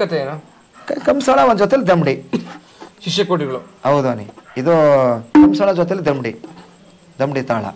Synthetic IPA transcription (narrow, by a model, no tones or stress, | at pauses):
ɐt̪eeːnu | kkɐmsaːɭaʋɐnd̪d͡ʒot̪ɛjɐlːid̪ɐmɖi | ʃiʂjɐkoːʈiɡɐɭuɐwd̪uɐnḭid̪okɐmsaːɭad͡ʒoːt̪̬jɐlːid̪ɐmɖi | d̪ɐmɖit̪aːɭɐ̰